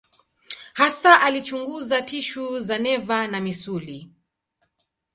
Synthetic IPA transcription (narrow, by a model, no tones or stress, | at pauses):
hasaʔalit͡ʃuŋɡuzatiʃuzanɛvanamisuli